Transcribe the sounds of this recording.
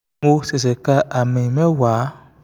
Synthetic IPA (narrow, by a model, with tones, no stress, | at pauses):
o˦se˨s̬e˨ka˦ʔa˨me˨mẽ˦wa˨˦